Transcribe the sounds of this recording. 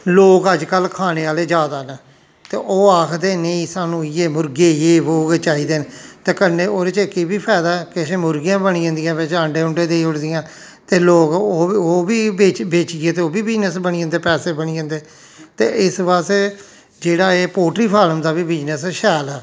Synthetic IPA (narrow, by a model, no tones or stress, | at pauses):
loːɡəd͡ʒkəlkʰaːneːaːleːd͡ʒaːd̪aːnə | t̪ḛːʔoːaːkʰd̪eːneĩːsaːnũːɪjeːmʊɾɡeːjeːʋoːɡt͡ʃaːiːd̪eːnt̪eːkənẽːoːɾet͡ʃkibiːpʰɛːd̪aːkɪʃeːmʊɾɡijãːbəɳiːə̃nd̪ɪijãːʋɪt͡ʃəɳɖeːʊɳɖẽːd̪eiːʊɽd̪ɪjãː | t̪eːloːɡoːoːbiːeːbeːt͡ʃːeːt̪eːoːbiːbɪd͡ʒnəsbəɳiːə̃nd̪eːpɛːseːbəniːə̃ːnd̪eː | t̪ḛːʔɪsʋaːse | d͡ʒeːɽaːeːpoːʈɾiːpʰaːləmd̪aːbiːbɪd͡ʒnəsʃɛːlɛː